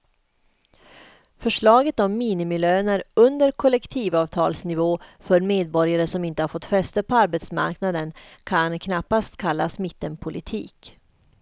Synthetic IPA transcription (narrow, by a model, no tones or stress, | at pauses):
fœʂɭɑːɡət̪ɔmːiːnɪmɪløːnəɾɵnd̪əɾkʰɔlɛkt̪ʰiːvɑːvt̪ʰɑːlsnɪvoːfœɾmeːd̪̚bɔɾjaɾəʂɔmɪnt̪əhaɾfɔt̪ːfɛst̪əpʰɔaɾbɛt̪sma̰ɾknad̪ənkʰankʰnapːast̪kʰalːasmɪt̪ːənpʰʊlʔɪt̪ʰḭːk